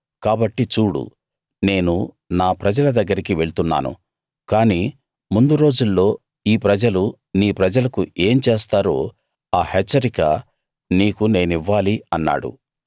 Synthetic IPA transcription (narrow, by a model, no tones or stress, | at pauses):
kaːbɐʈːit͡ʃuːɽṵ | ne̞ːnu | naːpɾɐd͡ʒɐlɐd̪ɐɡːɐɾikiʋe̞ɭut̪unːa̰ːnṵ | kaːniː | mund̪uɾo̞ːd͡ʒulːo̞ː | iːpɾɐd͡ʒɐlu | niːpɾɐd͡ʒɐlɐkuʔe̞ːmt͡ʃeːst̪aːɾo̞ː | aːhet͡ʃːɐɾikɐ | niːkune̞ːniʋːaːliɐnːa̰ːɽṵ